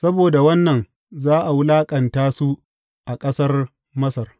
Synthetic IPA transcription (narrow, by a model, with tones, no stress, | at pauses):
sɐ˦boː˨da˨wɐ˦nːɐ˨n | zaː˦ʔa˨wʊ˦laː˦kʼɐ˨ntaː˦su˦ | ʔa˨kʼɐ˦sɐ˦r | mɐ˦sɐ˨r